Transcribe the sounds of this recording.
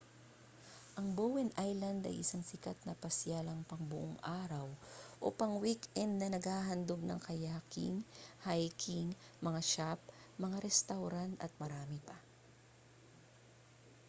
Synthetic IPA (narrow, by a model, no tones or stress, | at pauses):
ʔɐŋbowɛnʔajlɐnd̪ɐ̰jʔɪsaŋsɪkat̪̚nɐpɐsjalɐŋpɐŋbʊʔoŋʔaːɾɐwʔo̰pɐŋwikʔɛnd̪̚nɐnɐɡhaːɦɐnd̪oɡ̚nɐ̰ŋkɐjaːkɪ̰ŋhajkʰiŋmɐŋaʃap̚ | mɐŋaɾɛst̪awɾant̪ɐ̰t̪̚mɐɾaːmɪpɐ